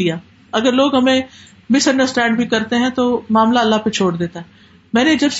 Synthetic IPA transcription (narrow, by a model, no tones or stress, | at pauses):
ijaː | ɐɡəɾloːɡɦɐmẽ | mɪsɐ̃ɳɖəɾsʈɛ̃ːɳɖbʱikɐɾt̪eɦɛ̃t̪omaːmlaɐlːaɦpet͡ʃʰoːɽd̪eːt̪aɦɛː | mɛ̃ːned͡ʒɐbs